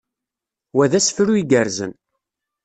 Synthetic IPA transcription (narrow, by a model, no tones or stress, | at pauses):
wæðæsfɾuiɡəɾzə̰n